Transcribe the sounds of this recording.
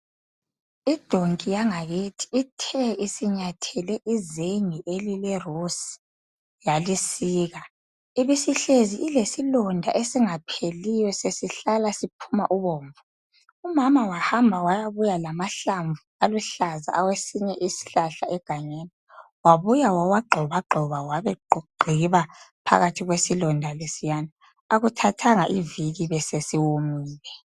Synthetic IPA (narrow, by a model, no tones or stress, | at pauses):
id̥ʱoŋkʼijaŋaɣetʰi̥itʰɛʔisiɲatʰɛlɛʔizeŋiʔelilɛrusi̥ | jalisiːɣa | iβisiɬeziʔilesilɔndʱa̰ʔesiŋapʰelijɔsesiɬalasipʰuma̰ʔuβoːɱvu | umamawahambʱawajaβujalamaɬaɱvualuɬaza̰awesiɲɛʔisi̥ɬaɬaɛɡ̥ʱaɲeniwaβujawawaɡ͡ǃʱɔβaɡ͡ǃʱɔβawaβɛɡ͡ǃʱiβapʰa̰ɣatʰiɣwesilɔndʱalesijana | aɣutʰatʰaŋaʔiviɣiβɛsesiwomiːlɛ